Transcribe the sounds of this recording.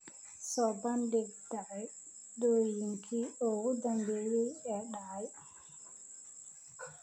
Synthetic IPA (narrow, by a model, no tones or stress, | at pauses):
sɔbandɛɡdaj | dojiŋkʰiɔwudambiɾiɛɗaj